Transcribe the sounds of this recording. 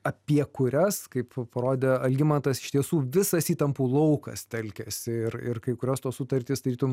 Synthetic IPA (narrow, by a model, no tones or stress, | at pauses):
ɐpʲiɛkʊɾʲɛskɐɪppɐɾoːd̪ʲɛːɐlʲɡʲɪmɐnt̪ɐsɪ̥ʃt̪ʲiɛsuːʋʲɪsɐsiːt̪ɐmpuːlˠɐʊkɐ̰st̪ʲɛlʲkʲɛsʲɪɪrɪ̰rkɐɪkʊɾʲoːst̪oːsʊt̪ɐɾʲt̪ʲɪːsd̪ɐɾʲiːt̪ʊm